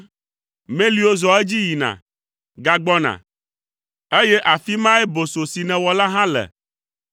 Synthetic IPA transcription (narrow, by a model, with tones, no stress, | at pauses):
mẽ˦li˦o˦zɔ˨e˦d͡ʑi˦ji˨nã̰˨ | ɡa˨ɡ͡bɔ˦nã̰˨ | e˦je˦ʔa˨fi˦mã˦ɛ˦bo˨so˨si˨nɛ̃˨wɔ˨la˦ɦã˦lɛ̰˨